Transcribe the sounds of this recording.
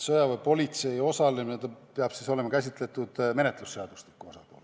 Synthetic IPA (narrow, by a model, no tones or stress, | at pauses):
sɤjɑvɤjpo̞lʲit̪se̞jo̞sɑlemined̪ɑpeɑb̥siso̞le̞mɑkæsʲit̪ˑle̞t̪ːˑud̪̥me̞net̪lusːe̞ɑd̪̥ust̪li̥kːuo̞sɑpo̞̰ːl